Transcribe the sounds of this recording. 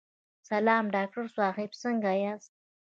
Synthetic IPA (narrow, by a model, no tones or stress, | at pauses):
salɑːmɖɑːk̚ʈaɾswɑːχibsəŋɡajas